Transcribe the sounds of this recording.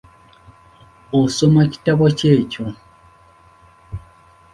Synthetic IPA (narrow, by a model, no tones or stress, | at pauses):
osomaci̥taβoce̞ːco